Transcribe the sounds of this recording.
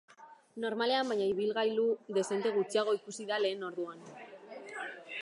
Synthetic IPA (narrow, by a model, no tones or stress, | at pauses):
no̞ɾmale̞ambaɲaiβ̞ilɣajluðe̞se̞nt̪e̞ɣ̞ut͡siaɣ̞o̞ikusiðale̞ːno̞ɾðuan